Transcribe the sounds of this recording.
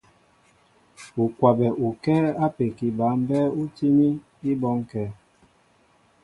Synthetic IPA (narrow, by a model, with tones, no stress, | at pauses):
u˨kwa˨bɛ˨ʔu˨kɛ˦a˦pe˨ki˨ba˨˦m˦bɛ˦u˦ti˦ni˦ | i˦bɔ˦ŋkɛː˦